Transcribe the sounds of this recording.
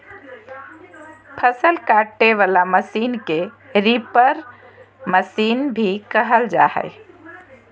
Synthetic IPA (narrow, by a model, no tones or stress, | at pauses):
pʰəsəlkaʈːeʋalaməsiːnke | ɾipəɾ | məsiːnbʱikəɦəld͡ʒaɦə̰j